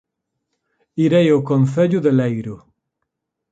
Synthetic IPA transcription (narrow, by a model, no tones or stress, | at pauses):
iɾejokonθeʎuðelejɾu